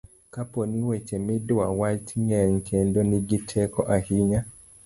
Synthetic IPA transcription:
kapɔniwɛt͡ʃɛmidawatiɲɛŋ̩kʰɛndɔniɡitʰɛkɔʔahiɲa

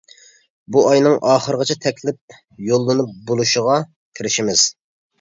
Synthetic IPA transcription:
buɑjnɨŋʔɑːχəɾəʁɨt͡ʃʰɛt̪ʰɛkʲʰlɪp̚ | jolˠːɨnɨp̚bolˠuʃəʁɑ | kʲʰiɾɪʃimɪz̥

